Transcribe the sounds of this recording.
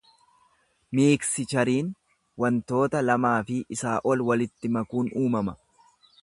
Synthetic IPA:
miːksɪt͡ʃɐɾiːn | wɐnt̪o̞ːt̪ɐlɐmaːfɪʔɪsaːʔɔlwɐlɪt̪ːɪmɐkuːnuːmɐmɐ

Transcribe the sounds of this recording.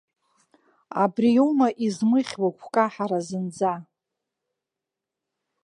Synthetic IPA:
a̰brijowmaʔizmɨχʲwakʷʰkʼaħaɾazɨnd͡za

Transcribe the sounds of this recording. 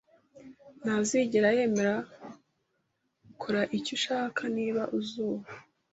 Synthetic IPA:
n̥aziɟeɾaje̞me̞ɾa | ukʰoɾaʔicuʃaːkʰaniːβaʔuzuːβa

